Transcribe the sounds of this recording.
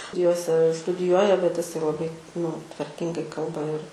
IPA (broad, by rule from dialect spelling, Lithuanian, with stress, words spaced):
ˈjoːsʲɛ stʊdʲɪˈjuɔjɛ bʲɛt ɪˈsɐɪ lˠɐˈbɐɪ nʊ tʋɐrʲˈkʲɪŋɡɐɪ ˈkɐlˠbɐ ɪr